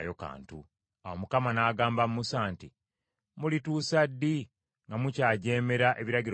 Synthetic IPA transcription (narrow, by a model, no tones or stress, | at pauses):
jo̞ka̰ːntu | awomukamanaːɡaːmbamumusaːnti | mulituːsadːi | ŋɡamucaːɟe̞ːme̞ɾaʔe̞βiɾaɟiɾ